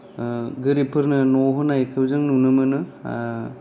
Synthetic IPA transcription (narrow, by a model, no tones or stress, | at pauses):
ɡɯɾipʰɯɾnɯnoɦɯnajkʰɯbzɯŋnunɯmɯnɯ